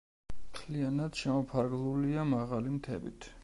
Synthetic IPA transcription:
mt̪ʰlianad̪̥ʃɛmɔpʰaɾɡlˠuliamaʁalimt̪ʰɛ̰bḭt̪ʰ

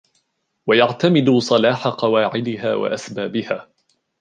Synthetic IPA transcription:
wajaʕt̪amɪd̪ʊsˤɑlaːħaqɑwaːʕɪd̪ɪɦa̰ːwa̰ʔasbaːbɪhaː

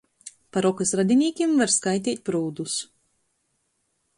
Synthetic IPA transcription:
paɾɔkɨsɾad̪ʲinʲiːkʲimvaɾskajt̪̬ʲiːt̪̚ʲpɾuːd̪us

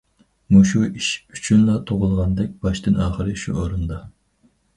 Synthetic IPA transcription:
muʃuiʃy̥t͡ʃʰynlˠɑt̪ʰoʁʊlˠʁɑnd̪ɛk̚ʲb̥ɑʃt̪ɨnɑːχəɾɨʃṵʔoɾund̪ɑ

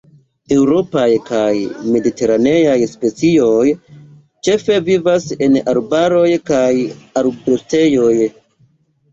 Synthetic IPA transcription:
e̞wɾo̞pajkajme̞dite̞ɾane̞jajspe̞t͡sio̞j | t͡ʃe̞fe̞vivase̞naɾbaɾo̞jkajaɾbɾuste̞jo̞j

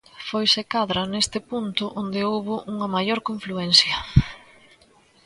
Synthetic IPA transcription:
fojsɪkaðɾɐnest̪ɪpunt̪ʊʔond̪ɪowβʊʔuŋɐmajoɾkõɱfluɛnsjɐ

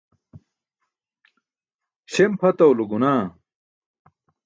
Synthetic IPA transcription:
ɕempʰɐt̪ɐwluɡunaː

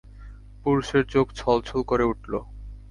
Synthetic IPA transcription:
puɾuʃeɾt͡ɕoɡt͡ɕʰɔlt͡ɕʰolkoɾeuʈlo

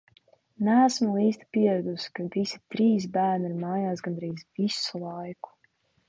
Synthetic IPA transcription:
næːsmulˠiːst̪i̥piɛɾad̪uskavisi̥t̪ɾiːs̬bæːɾniɾmaːjaːsɡand̪ɾiːzvisulˠajku̥

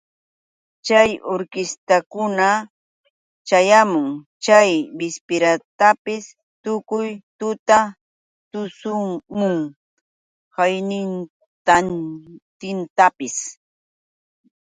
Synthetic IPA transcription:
t͡ʃajoɾkɪst̪akʊna | t͡ʃajamʊŋ | t͡ʃajbɪspɪɾat̪apɪs | t̪ʊkʊjt̪ʊt̪a | t̪ʊsʊmʊŋ | hajnɪn | t̪ant̪ɪnt̪apɪs

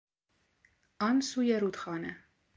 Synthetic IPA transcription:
ɑnsujɛɾut̪χɑnɛ

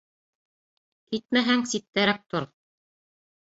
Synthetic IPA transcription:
kit̪̚mæɦæŋsit̪ːæɾæk̚t̪oɾ

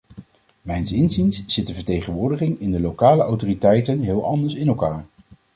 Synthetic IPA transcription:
mɛjnsɪnzinsz̥ɪt̚dəvəɹtejχənʋʊːɹdəχɪŋɪndəlokaːləʔɑwtoːritɛjtənɦɪːlˠɑndəɹsɪnɛlˠkaːɹ

